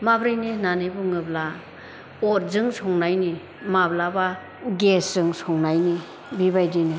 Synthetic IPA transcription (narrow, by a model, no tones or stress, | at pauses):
mabɾɯjninanebuŋɯbla | ɔt̚zɯŋsɔŋnajni | mablaba | ɡesz̥ɯŋsɔŋnajni | bibajdini